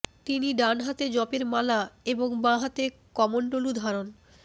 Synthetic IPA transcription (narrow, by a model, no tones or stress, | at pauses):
t̪iniɖanɦat̪ed͡ʑɔpeɾmalaeboŋbãɦat̪e | kɔmonɖolud̪ʱaɾon